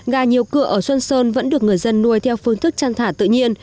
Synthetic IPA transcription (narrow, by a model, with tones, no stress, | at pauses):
ɣaː˨˩ɲi˨˩əwkɨ˧˩əʔəː˧˩swə˧nsəː˧nvə̰˧˥nɗɨ˨˩ək̚ŋɨ˨˩əjzə˧nːu˧əjt̪ʰɛ˧wfɨ˧əŋt̪ʰɨ˦˥k̚t͡ɕaː˧ŋt̪ʰaː˧˩t̪ɨ̰˧˨ɲi˧ən